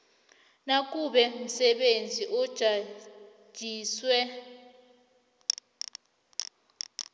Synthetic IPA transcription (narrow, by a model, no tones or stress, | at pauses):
nak̬ʼuɓɛm̩sɛɓend͡zʱiʔɔd̥ʒ̥ʱḁ | ʒ̥ʱiːswɛ